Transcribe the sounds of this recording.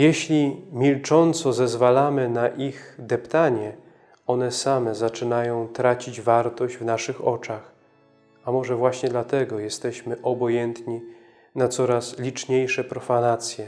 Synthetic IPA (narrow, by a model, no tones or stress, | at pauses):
jɛɕlʲimʲilt͡ʂɔnt̪sɔzɛzvalamɘnaʔixd̪ɛpt̪aɲɛ | ɔnɛsamɛzat͡ʂɘnajɔ̃w̃t̪ɾat͡ɕid͡ʑvaɾt̪ɔʑd͡ʑvnaʂɘxɔ̰t͡ʂax | amɔʐɛvwaɕɲɛd̪lat̪ɛɡɔjɛst̪ɛɕmɘʔɔbɔjɛnt̪ɲi | nat̪sɔɾaslʲit͡ʂɲejʂɛpɾɔfanat̪sʲjɛ